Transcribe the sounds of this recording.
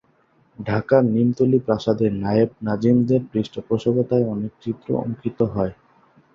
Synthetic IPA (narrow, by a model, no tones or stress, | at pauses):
ɖʱakaɾnimt̪olipɾaʃad̪eɾnajeb̚nad͡ʑimd̪eɾpɾisʈopɾoʃoɡot̪aeɔnek̚t͡ɕit̪ːɾo̰o̰ŋkit̪oɦɔe